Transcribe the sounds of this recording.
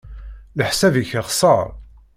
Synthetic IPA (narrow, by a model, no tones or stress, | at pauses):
ləħsæviçəʁsˤɑɾˤ